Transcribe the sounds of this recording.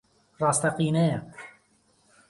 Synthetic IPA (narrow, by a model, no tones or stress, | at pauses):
rɑːst̪ɐqiːnɛjɐ